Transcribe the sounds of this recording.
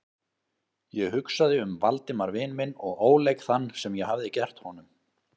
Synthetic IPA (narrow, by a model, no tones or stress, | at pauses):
jɛɣɦʏksaðɪʏmvalt̪ɪmaɾvɪnmɪnɔɣoːwlejkθanːsɛmjɛɦavðɪcɛr̥t̪hɔnʏm